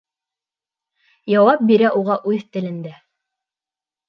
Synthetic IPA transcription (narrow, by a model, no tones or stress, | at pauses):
jɑwɑp̚biɾæʔuʁɑʔʉðt̪ɘ̆lɘ̆nd̪æ